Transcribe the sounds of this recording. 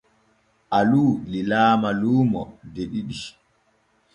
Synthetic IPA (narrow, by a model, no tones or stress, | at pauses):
ʔaluːlilaːmaluːmɔdeɗiɗi